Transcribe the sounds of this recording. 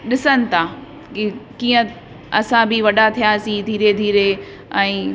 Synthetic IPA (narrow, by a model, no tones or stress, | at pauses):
ɗɪsənɪ̆t̪ʰa | kkiːə̃ | ɐsãbɪʋɐɗat̪ʰijasid̪ʱiːɾed̪ʱiːɾe | ɛ̃ː